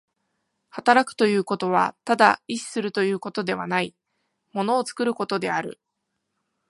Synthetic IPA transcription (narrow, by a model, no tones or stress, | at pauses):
hat̪aɾakɯ̟̥t̪o̞jɯ̟ːko̞t̪o̞β̞a̰t̪ad̪a̰iɕi̥sɨɾɯ̟t̪o̞jɯ̟ːko̞t̪o̞d̪e̞β̞anai | mo̞no̞ːt͡sɨ̥kɯ̟ɾɯ̟ko̞t̪o̞d̪e̞aɾɯ̟̰